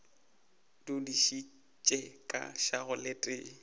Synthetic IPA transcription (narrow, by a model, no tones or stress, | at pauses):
dʊdiʃi | t͡ʃʼɛkʼa̰ʃaɣʊletʼɪ̰ː